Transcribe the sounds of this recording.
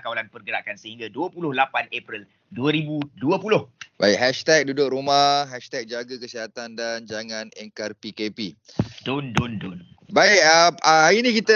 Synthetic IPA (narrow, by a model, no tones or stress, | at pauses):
kawalanpərɡəɾaʔkansəhiŋɡaduəpulʊhlapanepɾil | duəɾibuduəpulʊhbaɪkɦɛʃt̪ɛk̚dudʊk̚ɾumahɦɛʃt̪ɛk̚d͡ʒaɡakəsiɦat̪andand͡ʒaŋãnɛ̰ŋkarpikepi | dondondon | baɪk̚aaainĩkit̪ə